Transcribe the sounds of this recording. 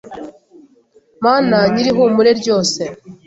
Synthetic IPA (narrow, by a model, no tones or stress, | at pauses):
maːnaɲiɾiɦumuɾe̞ɾɟo̞ːse̞